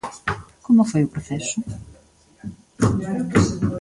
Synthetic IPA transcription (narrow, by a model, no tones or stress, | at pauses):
komʊfojʊpɾoθɛsʊ